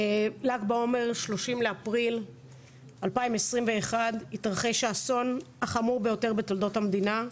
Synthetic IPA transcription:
laɡbao̞me̞ʁʃlo̞ʃimleapʁil | alpaimesʁimve̞ːχaditʁaχeʃeaso̞n | aχamuʁbe̞jo̞te̞ʁbeto̞ldo̞thamd̪ina

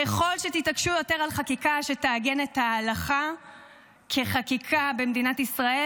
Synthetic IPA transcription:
keχo̞lʃet̪itakʃujo̞te̞ʁalχakikaʃe̞taːɡe̞netaːlaχa | kʰe̞χakikʰabemdinatisʁae

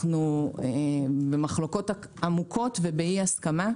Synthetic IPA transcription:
nuebemaχlo̞ko̞taamukʰo̞tvebeiaskama

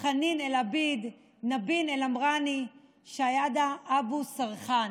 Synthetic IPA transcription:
χaninelabid̪ | nabinelamʁani | ʃajad̪aʔabusaʁχan

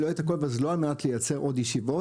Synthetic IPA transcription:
loet̪ako̞lvaazloalmenat̪lejat͡seʁʔod̪jeʃivo̞

